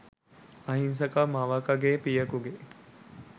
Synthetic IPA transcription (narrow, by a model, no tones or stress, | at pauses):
ɐɦins̬ɐkamaʋakaɡeːpijɐkuɡe